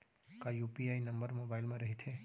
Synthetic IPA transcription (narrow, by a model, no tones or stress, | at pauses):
kajuːpiaːinɐmbəɾmoːbaːɪlmẽɾɐɦit̪ʰe